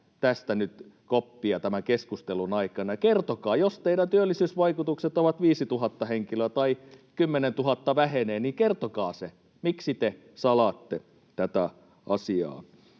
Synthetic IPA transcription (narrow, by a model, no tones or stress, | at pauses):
t̪æst̪ænyt̪kopːiɑt̪æmæŋkeskust̪elunɑikˑɑnɑɑkert̪okɑːjost̪eidænt̪yølːisyːsʋɑikut̪ukset̪oʋɑt̪ʋiːsit̪uɦɑt̪ːɑheŋkiløːt̪ɑikymːenent̪uɦɑt̪ːɑʋæɦeneːniːkert̪okɑːse | miksit̪e | sɑlɑt̪ːe | t̪æt̪æ | ʔɑsiɑ̰ː